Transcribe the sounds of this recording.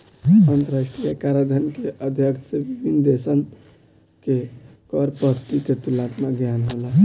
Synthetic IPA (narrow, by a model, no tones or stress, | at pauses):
ənt̪əɾasʈɾijakaɾad̪ʱənkeʔəd̪ʱjəkt̪sebibind̪esən | kekɔɾpət̪iket̪ulat̪maɡjanɦola